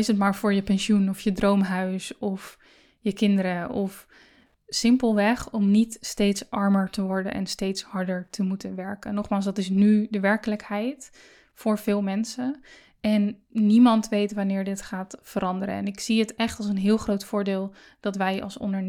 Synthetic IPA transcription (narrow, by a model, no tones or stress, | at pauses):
ɪsətmaːɹvʊːɹjəpɛnʃjunɔfjədrowmɦœɥsɔf | jəkɪndəɾəʔɔf | sɪmpəlˠʋɛχɔmnitstejtsʔɑɹməɹtəʋɔɹdə̰nʔɛ̰nstejtshɑɹdəɹtʰəmutənʋɛɹkənːɔχmaːlˠs̬dɑtɪsnydəʋɛɹkələkhɛjt | fʊːɹv̥ɪːlˠmɛnsə | ɛnːimɑntʋejtʋanɪːɹdɪtχaːtfəɾɑndəɾə̰ɛ̰nɪksiətɛχtɑlˠsənɦɪːlˠχrowtfʊːɹdɪːlˠ | d̥ɑtʋɛjɑ̰lˠsɔ̰ndəɹ